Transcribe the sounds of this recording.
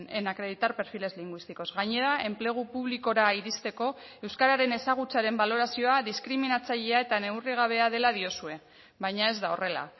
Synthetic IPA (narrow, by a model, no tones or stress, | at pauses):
ne̞nakɾe̞ð̞it̪aɾpe̞ɾfile̞zliŋɡwist̪iko̞zɣaɲe̞ɾae̞mple̞ɣ̞upuβ̞liko̞ɾaiɾist̪e̞ko̞ | e̞wskaɾaɾe̞ne̞saɣ̞ut͡saɾe̞mbalo̞ɾasio̞aðiskɾiminat͡saʎeae̞t̪ane̞wriɣ̞aβ̞e̞aðe̞lað̞io̞sue̞ | βajɲae̞zd̪ao̞re̞la̰